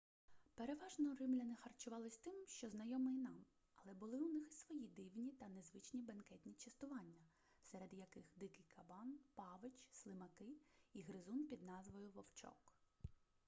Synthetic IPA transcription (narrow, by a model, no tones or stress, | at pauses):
pe̞ɾe̞ʋɑʒnɔɾɪmlʲɐnɪxɐrt͡ʃʊʋɑlˠɪsʲt̪ɪmʃt͡ʃɔznɐjɔmɪinɑm | ɐlˠɛbʊlˠɪunɪxsʋɔjid̪ɪwnʲit̪ɐnezʋɪt͡ʃnʲibɐnkɛt̪ʲnʲit͡ʃɐst̪ʊʋɑnʲːɐ | sɛɾed̪jɐkɪxd̪ɪkɪjkʰɐbɑnpɑʋɪt͡ʃslˠɪmɐkɪiɦɾɪzunpʲid̪nɑzʋɔjʊʋɔwt͡ʃɔ̰k